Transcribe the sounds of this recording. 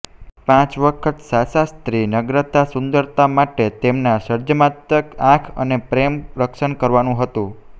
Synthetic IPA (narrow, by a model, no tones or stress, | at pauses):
pãt͡ʃʋəkʰət̪sasast̪ɾinəɡɾət̪asʊ̃nd̪əɾt̪amaʈet̪emnasəɾd͡ʒəmat̪əkãkʰə̰nepɾemɾəkʃənkəɾʋanũɦət̪ũ